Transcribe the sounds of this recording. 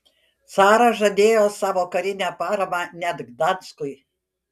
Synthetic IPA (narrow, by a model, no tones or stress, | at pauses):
t̪sɑːɾɐʒɐd̪ʲeːjoːsɑːʋoːkɐɾʲɪnʲæpɑːɾɐmɑnʲɛd̪ɡd̪ɑnskʊj